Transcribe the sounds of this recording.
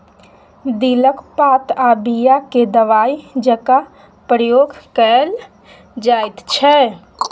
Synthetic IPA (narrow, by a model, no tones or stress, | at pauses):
d̪iləkpat̪abijaked̪əʋaid͡ʒɛka | pɾəjoɡʱkəl | d͡ʒajt̪t͡ʃʰɛ